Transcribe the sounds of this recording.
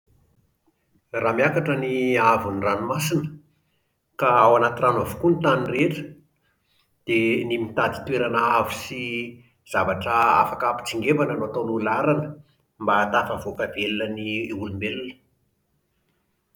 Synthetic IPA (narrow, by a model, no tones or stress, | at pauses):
ramiakaʈ͡ʂəniavuniranumasinə̥ | kaawanat̪iranavu̥kunit̪anireʈ͡ʂə̥ | d̪̥enimit̪ad̪i̥t̪weɾanaavisi | z̥avaʈ͡ʂəa̰fakapi̥t͡siŋɡevananoat̪onulaɾanə | mbat̪afəvokavelnəniulumelunə̥